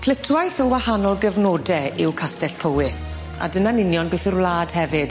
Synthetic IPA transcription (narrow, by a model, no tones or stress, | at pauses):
kʰlɪtʰwajθɔwahanɔlˠɡəvnoːdɛɪwkʰastɛɬpʰowɪs | a̰dənanɪnjɔnbeːθɪrwlaːd̥hɛvɨd̥